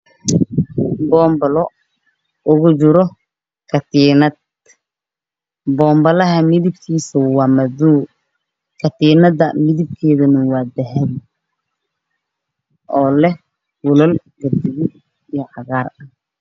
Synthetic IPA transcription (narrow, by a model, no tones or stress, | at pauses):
bɔːmbɐlɔ | ʔʊɣʊt͡ʃɪɾɔ | kʰɐt̪iːnɐd̪̚ | bɔːmbɐlɐɦɐmɪðɪb̚kʰiːsɐwɑːmɐðuː | kʰɐt̪iːnɐd̪ɐmɪðɪb̚kʰɛːðɐnɐwɑːd̪ɐɦɛð | ʔɔːlɛ | wʊlɐl | ɡɐd̪ɪɣɪ | ijɔʕɑɣaːrɐ